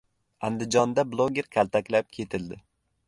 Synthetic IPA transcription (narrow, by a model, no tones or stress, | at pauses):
and̪ɪd͡ʒɒnd̪ablˠoɡʲeɾkʲʰalˠt̪ʰakʲlap̚kʲʰe̞t̪ʰɪld̪ɪ